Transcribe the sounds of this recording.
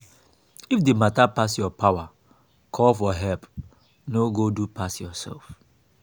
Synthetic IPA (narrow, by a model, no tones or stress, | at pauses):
ifdimatapasjɔpawa | kʰɔlfɔɦɛlp | noɡodupʰasjɔsɛ̰lf